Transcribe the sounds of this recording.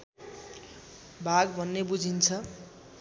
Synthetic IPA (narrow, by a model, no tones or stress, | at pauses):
bʱaɡbʱʌnːebud͡zʱint͡sʰʌ